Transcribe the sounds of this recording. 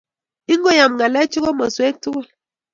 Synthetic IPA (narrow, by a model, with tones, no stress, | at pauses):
i˦ŋ˦o˦ja˨m˨ŋa˨lɛ˦t͡ʃo˦ɣo˦mə˨swe˦k̚tu˦ɣu˦˨l